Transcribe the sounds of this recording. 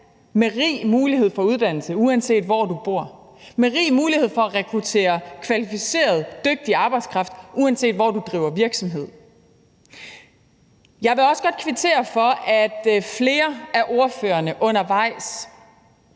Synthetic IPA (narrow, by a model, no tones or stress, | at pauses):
meʁḭːmuːliɦe̝ð̞̰ˠfɒ̽uðˠd̥æn̰l̩səuænse̝̰ːd̥ʋɒd̥ub̥o̝ɐ̰ | meʁḭːmuːlihe̝ð̰ˠfɒ̽æʁɛkʰʁut͡sʰe̝̰ːɐkʰʋælifise̝̰ːɐð̞̩ˠd̥øɡ̥̚d̥iɑ̈ːb̥ɑ̈ɪd̥skʰʁɑ̈fd̥ʔuænse̝̰ːd̥ʋɒd̥ud̥ʁḭːʊɐʋiɐɡ̥sɒ̽mɦe̝ð̰ˠ | jɑ̈ɪʋe̝ɒ̽səɡ̥ɒ̽d̥̚kʰʋit͡sʰe̝̰ːɐfɒ̽ʔæd̥fle̝ːɐæɐʔo̝ɐføːɐnəʔɔ̽nɐʋɑ̈ɪ̰s